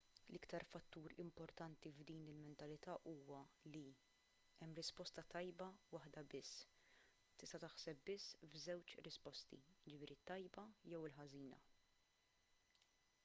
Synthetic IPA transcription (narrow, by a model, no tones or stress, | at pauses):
lʔɪkt̪ɐɾfɐt̪ːuːɾɪ̰mpɔɾt̪ɐnt̪ivd̪iːnɪlmɛnt̪ɐlɪt̪ɐːʔuːwɐli | ɛmːɾɪspɔst̪ɐt̪ɐjbɐwɐħd̪ɐbɪsː | t̪ɪst̪ɐt̪ɐħsɛpb̚bɪsːvzɛwt͡ʃɾɪspɔst̪ḭjɪd͡ʒɪfɪːɾit̪ːɐjbɐjɛwɪlħɐziːnɐ̰